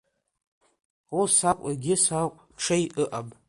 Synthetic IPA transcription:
usakʷʼaɡʲɪsaqʷʼ | ʈ͡ʂʰejʔɨʔabʼ

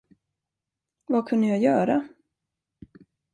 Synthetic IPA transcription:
vakʰɵnd̪əjajœːɾa

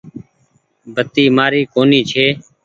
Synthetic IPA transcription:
bʱət̪iːmaːɾiːkoːniːt͡ʃʰeː

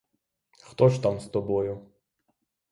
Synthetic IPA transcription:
xt̪ɔʃt̪amst̪ɔbɔjʊ

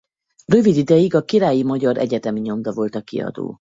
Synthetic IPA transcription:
rø̞vid̪id̪ɛjiɡɒkiɾaːjimɒɟɒɾʔɛ̰ɟɛt̪ɛmiɲo̞md̪ɒvo̞lt̪ɒkḭɒ̰d̪o̰ː

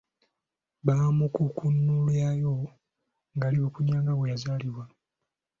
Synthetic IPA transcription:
βaːmukukunːuljaːjo | ŋɡaliβukuɲaːŋɡaβwejazaːliβwa

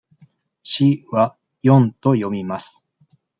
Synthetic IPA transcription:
ɕiβa | jõ̞nt̪o̞jo̞mʲimasɨ̥

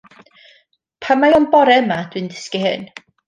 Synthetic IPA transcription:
pʰamajɔnbɔɾɛmad̥wɨndɪskiɦɨ̰n

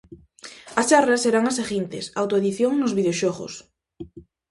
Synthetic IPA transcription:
ɐst͡ʃarasːeɾaŋaseɣint̪esawt̪oeðiθjoŋnozβiðeoʃɔɣo̰s

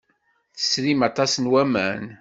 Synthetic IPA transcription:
θə̥sɾimɑt̪ˤɑsənwæmæn

